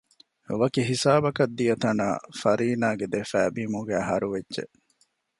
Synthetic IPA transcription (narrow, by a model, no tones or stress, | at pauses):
ʋɐkiɦisaːbɐkɐd̪ːijɐt̪ɐna̰ːfɐɾiːnaːɡed̪efæːbiːmuɡæːɦɐɾuʋedːʒḛʔ